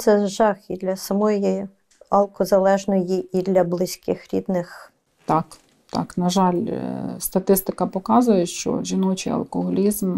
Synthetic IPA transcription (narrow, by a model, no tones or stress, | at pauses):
t̪sɛʒɑxid̪lʲɐsɐmɔji | ɐlˠkɔzɐlˠɛʒnɔjiid̪lʲɐblˠɪsʲkɪxɾʲḭd̪nɪx | t̪ɑk | t̪ɑ̰knɐʒɑlʲst̪ɐt̪ɪst̪ɪkɐpɔkɑzʊjɛʃt͡ʃɔ̰ʒʲinɔt͡ʃḭɐ̰lˠkɔɦɔlʲizm